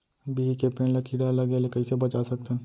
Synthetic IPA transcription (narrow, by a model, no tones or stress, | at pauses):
biːikepeːnlakʰiɽalɐɡelekɐisebɐt͡ʃasɐk̚t̪ɦɛ̃